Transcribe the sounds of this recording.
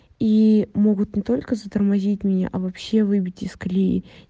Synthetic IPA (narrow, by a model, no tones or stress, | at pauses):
imo̞ɡʊt̪nʲɪt̪o̞lʲkəzət̪ərmɐzʲitʲmʲnʲa̰ʔɐvɐpɕːe̞vɨbʲɪtʲɪsklʲi